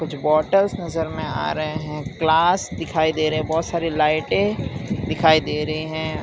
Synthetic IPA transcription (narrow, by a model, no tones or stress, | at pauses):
kʊt͡ʃʰbɔːʈəlsnɐzəɾmẽa̰ːɾɐɦeɦɛ̃klaːsd̪ɪkʰaːid̪eːɾɐɛ̃bɔːt̪saːɾilaːɪʈẽd̪ɪkʰaːid̪eːɾɐɦiɦɛ̃